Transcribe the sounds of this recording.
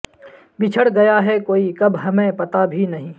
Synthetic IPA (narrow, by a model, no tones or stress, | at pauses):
bɪt͡ʃʰəɽɡɐjaɦɛkoːikɐbɦɐmẽpɐt̪abʱinɐɦĩː